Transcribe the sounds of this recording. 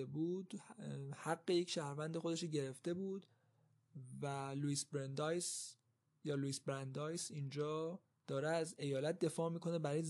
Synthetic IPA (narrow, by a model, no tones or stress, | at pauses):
ebuːd̪̥hæɡːejecʃæːhɾvænd̪exod̪e̞ʃoɟe̞ɾe̞ft̪e̞buːd̪̥ | væluiːsbɾend̪ɒːjs | jɒːluiːsbɾænd̪ɒːjsiːnd͡ʒɒː | d̪̥ɒːɾeæze̞jɒːlæt̪̚ʰd̪e̞fɒːmiːkʰo̞nebæɾɒːjez